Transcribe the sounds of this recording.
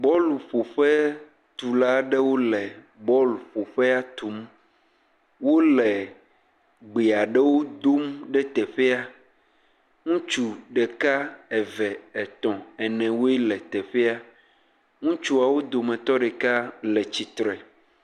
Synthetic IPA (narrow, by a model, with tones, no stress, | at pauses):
bɔ˦lu˨ɸo˨ɸɛ˦ | t̪u˨la˦ɖɛ˦wo˦lɛ˨ | bɔ˦lu˨ɸo˨ɸɛ˦a˦t̪u˨m | wo˦lɛ˨ | ɡ͡be˨a˨ɖɛ˦wo˦d̪o˦mɖɛ˦t̪ɛ˨ɸɛ˦a˦ | ŋũ˦t͡ʃu˨ɖɛ˨ka˦ɛ˨vɛ˨ɛ˨t̪ɔ̃˨ɛ˨nɛ̃˨wo˦e˦lɛ˨t̪ɛ˨ɸɛ˦a˦ | ŋũ˦t͡ʃu˦a˨wo˦d̪o˨mɛ̃˨t̪ɔ˦ɖɛ˨ka˦lɛ˨t͡ɕi˨t̪ɾɛ˨